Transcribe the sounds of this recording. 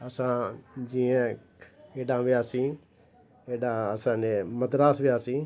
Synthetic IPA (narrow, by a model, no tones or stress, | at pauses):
əsãːd͡ʒiːẽ | eːɖãːʋɪaːsĩː | eːɖãːəsãːneːmət̪ɾaːsʋɪjaːsĩː